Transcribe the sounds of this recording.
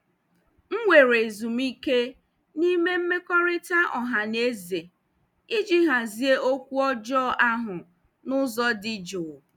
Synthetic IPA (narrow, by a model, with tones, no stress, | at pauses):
ŋ̩˦ŋʷe˨ɾe˨zu˨m̩i˦ke˦ | ni˦me˦m̩˦me˦kɔ˦ɾɪ˦ta˦ʔɔ˨ɦa˨ne˦ze˨ | i˦d͡ʒi˦ɦa˨zi˦e˦o˦kʷu˦ɔ˦d͡ʒɔː˦ʔa˦ɦʊ˨ | nʊ˦zɔ˦dɪ˦d͡ʒʊ˨